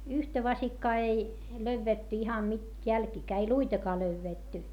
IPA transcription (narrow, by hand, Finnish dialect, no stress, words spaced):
yhtæ ʋɑsikːɑː ei løyʋːetːy ihɑn nyt jælkiːkæː ei luitɑkɑː løyʋːeˑtːy